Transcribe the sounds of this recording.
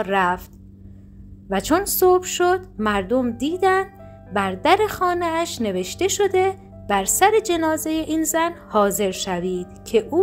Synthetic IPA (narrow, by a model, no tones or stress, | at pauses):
ɾæft̪ | væt͡ʃʰonsoːbʃod̪̥mæɾd̪omd̪iːd̪ænd̪ | bæɾd̪æɾe̞xɒːneæʃne̞ve̞ʃt̪e̞ʃo̞d̪e̞ | b̥æɾsæɾe̞d͡ʒe̞nɒːze̞je̞ʔiːnzænhɒːze̞ɾʃæviːd̪̥cʰe̞ʔuː